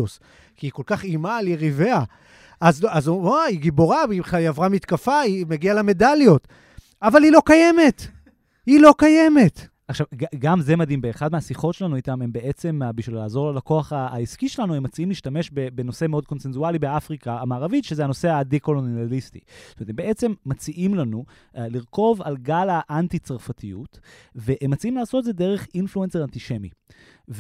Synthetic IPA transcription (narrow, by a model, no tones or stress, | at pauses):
os | kiːko̞lkaχimaljeʁive̞a | azazuaiɡibo̞ʁaiχajavʁamit̪kafaimeɡialeme̞daljo̞t̪ | avalilo̞kaje̞me̞t̪ | hilo̞kajeme̞t | aχʃavɡaɡamze̞mad̪imbeːχadmeasiχo̞tʃe̞lanuitame̞mbee̞t͡se̞mbiʃvilaːzo̞ʁlolako̞aχaːiskiʃelanuemːat͡siimliːʃtame̞ʃbebeno̞se̞meo̞d̪̚ko̞nsenzualibeafʁikaːmaːʁavitʃezehano̞se̞ad̪iko̞lonalistḭtomet̪embeʔe̞t͡se̞mːat͡siʔimlanu | liʁko̞valɡalaʔantit͡saʁfat̪ʰijut̪veʔemːat͡siimlaːsot̪edzede̞ʁeχinfluenseʁant̪iʃe̞mi | v